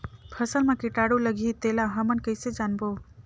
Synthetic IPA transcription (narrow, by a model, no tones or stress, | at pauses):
pʰəsəlmakiʈaɽuləɡʱit̪elaɦʌmənkəjsed͡ʒanbo